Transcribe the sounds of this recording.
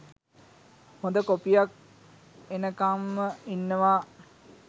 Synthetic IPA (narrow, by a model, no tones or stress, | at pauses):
hõnd̪əkopijak̚ | enəkamːəinːəʋa